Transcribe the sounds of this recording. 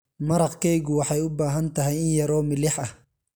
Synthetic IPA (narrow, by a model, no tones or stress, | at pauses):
mɐɾɑqkʰɛjɣʊwɑħɑjʊbaːɦɐnt̪ʰɐɦɛjɪnjɐɾɔːmɪlɪħɐh